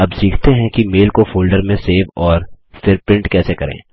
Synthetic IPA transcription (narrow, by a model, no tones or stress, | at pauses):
ɐbsiːkʰt̪eɦɛ̃kimeːlkofoːlɖəɾmẽseːʋɔːɾ | fɪɾpɾɪ̃ɳʈkɛːsekɐɾḛ̃ː